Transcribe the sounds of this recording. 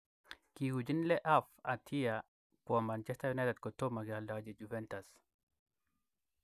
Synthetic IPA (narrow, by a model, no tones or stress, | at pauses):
kihud͡ʒinleʔafat̪ʰija | kwamant͡ʃɛst̪ajunajt̪ed̪̚kot̪omaɡɛaldawad͡ʒed͡ʒuvɛntas